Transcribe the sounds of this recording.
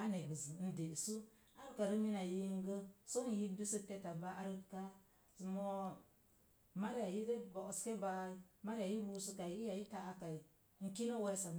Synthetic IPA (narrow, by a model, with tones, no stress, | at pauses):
a˦ne˨bɨ˨zɨ˨˦n̩˦de˨su˦ | a˦ɾɨ˦ka˨ɾɨ˦mi˦na˨ji˦ŋ˦ɡə˦so˦n˨ji˦du˦sɨ˦te˦ta˨ba˦ʔa˦ɾɨ˦ka˦ | smo˦ | ma˦ɾja˨ji˦de˦bɔ˨ʔske˦ba˦ma˦ɾja˨ji˦bu˦su˦ka˨i˨i˦ja˨ji˦ta˦˨ʔa˦ka˨i˨˦ | ŋ̩˨ki˦no˦we˦sa˨